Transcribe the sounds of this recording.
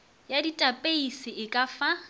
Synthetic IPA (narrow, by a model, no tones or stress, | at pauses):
jaditʼapʼeisɪʔɪkʼafa